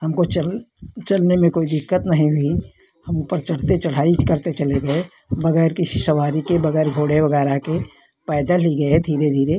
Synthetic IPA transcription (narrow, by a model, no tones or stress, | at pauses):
hɐmkot͡ʃət͡ʃɐlnemẽkoːid̪ɪkːət̪nɐɦĩɦi | hɐmʊpəɾt͡ʃɐɽ̤t̪et͡ʃəɽ̤aːikəɾt̪et͡ʃɐleɡɐe | bɐɡɛːɾkɪsisɐʋaːɾikebɐɡɛːɾɡʱoːɽebɐɡɛːɾake | pɛːd̪aliɡɐed̪ʱiːɾed̪ʱiːɾe